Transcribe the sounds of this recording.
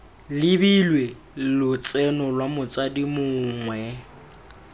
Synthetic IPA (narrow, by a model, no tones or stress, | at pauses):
lɪbilwe | lʊt͡sʼɛnɔlwamʊt͡sʼadimʊŋwɛ